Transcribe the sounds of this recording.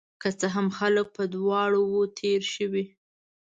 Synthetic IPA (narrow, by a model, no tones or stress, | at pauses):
kət͡səɦamxalək̚pəd̪wɑɽowot̪ʰeɾʃəwi